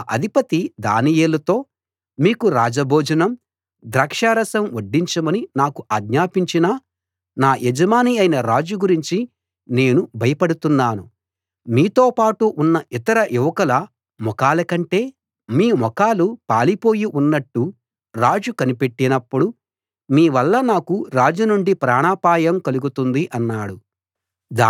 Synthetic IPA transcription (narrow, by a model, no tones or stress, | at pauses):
ʔɐd̪ʱipɐt̪id̪a̰ːnijeːlɐt̪o̞ː | miːkuɾaːd͡ʒɐbʱoːd͡ʒɐnɐm | d̪ɾaːkʂaːɾɐsɐmoɖːiɲt͡ʃɐmɐninaːkuʔɐɡɲaːpiɲt͡ʃinɐ | naːʔɛd͡ʒɐmaːniɐjinɐɾaːd͡ʒuɡuɾiɲt͡ʃi | ne̞ːnubʱɐjɐpɐɽut̪unːaːnu | miːt̪oːpaːʈuʔunːɐʔit̪ɐɾɐjuʋɐkɐlɐ | mɔkaːlɐkɐɳʈe̞ː | miːmɔkaːlupaːlipo̞ːjiʔunːɐʈːu | ɾaːd͡ʒukɐnipe̞ʈːinɐpːuɽu | miːʋɐlːɐnaːkuɾaːd͡ʒunuɳɖipɾaːɳaːpaːjɐmkɐluɡut̪und̪iʔɐnːaːɽu | d̪aː